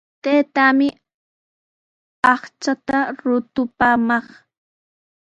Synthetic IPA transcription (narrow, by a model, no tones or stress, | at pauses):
t̪eːt̪amɪ | ɑχt͡ʃat̪aɾʊt̪ʊpaːmɑχ